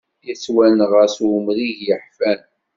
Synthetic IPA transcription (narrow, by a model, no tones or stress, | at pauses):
jət͡sːwælnʁəsʊmɾiʝjəħfæn